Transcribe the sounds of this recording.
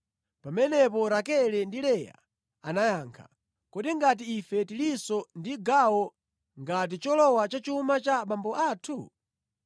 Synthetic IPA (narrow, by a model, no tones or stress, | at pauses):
pamɛnɛp̬ɔɾakɛlɛndilɛja̰ | anajaːŋkʰa̰ | kɔɗiŋɡat̬iːfɛtilisɔndiɡawɔ | ŋɡat̬it͡ʃɔlɔwat͡ʃat͡ʃuumat͡ʃaɓambɔʔaːtʰu